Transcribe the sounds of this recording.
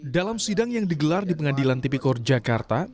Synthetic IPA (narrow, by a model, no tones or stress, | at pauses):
dalamsidaŋjaŋdiɡəlardipəŋadilant̪ipikɔrd͡ʒakart̪a